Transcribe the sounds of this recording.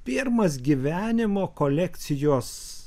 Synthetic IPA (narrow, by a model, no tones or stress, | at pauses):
pʲɪɾmɐs̬ɡʲiʋʲæːnʲɪmoːkolʲɛkʲt̪sʲɪjoːs